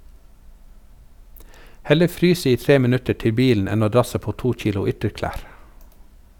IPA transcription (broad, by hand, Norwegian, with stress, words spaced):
ˈhɛlə ˈfɾyːs ˈiː ˈtɾeː məˈnʉtə ˈʈɪ ˈbiːln̩ ˈɛn ˈoː ˈdɾɑsə ˈpoː ˈtuː ˈc͡çiːlʊ ˈʏtəɾˌklæːɾ